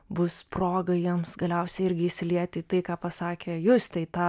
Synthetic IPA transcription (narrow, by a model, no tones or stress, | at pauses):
bʊsproːɡɐjiɛmsɡɐlʲɛʊsʲɛɪɪɾʲɡʲɪɪʃʲsʲɪlʲiɛt̪ʲɪt̪ɐɪkɑːpɐsɑːkʲejʊst̪ʲɛɪt̪ɑː